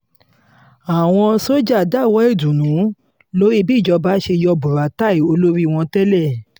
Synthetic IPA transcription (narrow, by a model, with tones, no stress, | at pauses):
a˨w̃ɔ̃˧so˦d͡ʒa˦˨da˦˨wɔ˨˦e˦˨du˨nũ˨˦ | lo˦ɾi˦bi˦˨d͡ʒɔ˧ba˦ʃe˧jɔ˧bu˨ɾa˨˦ta˦˨i˨˦o˧lo˦ɾi˦˧w̃ɔ̃˧tɛ˦lɛ˦˨